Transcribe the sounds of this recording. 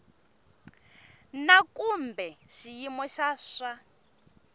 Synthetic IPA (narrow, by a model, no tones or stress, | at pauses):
nakʼumbɛʃijimɔʃasa